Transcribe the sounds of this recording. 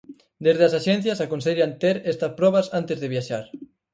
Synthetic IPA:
d̪ezðeasaʃɛn̟θjasakonseʎant̪eɾɛst̪ɐspɾɔβ̞asant̪ezðeβjaʃaɾ

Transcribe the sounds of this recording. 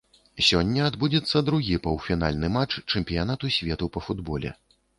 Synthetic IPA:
sʲɔnʲːɐad̪bud͡zʲɛt̪sːɐd̪ɾuɣʲipɐwfʲina̰lʲnɨmat͡ʂt͡ʂɛmʲpʲijan̪at̪usʲvʲɛt̪upɐfud̪bɔlʲɛ̰

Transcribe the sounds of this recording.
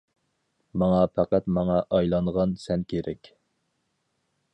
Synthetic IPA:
mɑŋɑpʰæqæt̪mɑŋɑʔɑjlˠɑɴʁɑnsɛnkʲʰeɾɛkʲ

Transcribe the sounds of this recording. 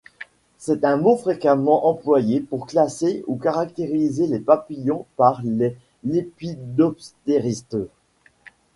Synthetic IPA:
sɛt̪ɛ̃mofχekamɑ̃ʔɑ̃plwajepuʁklaseukaʁak̚t̪eʁizelepapijɔ̃paʁle | lepid̪ɔpst̪eʁist̪

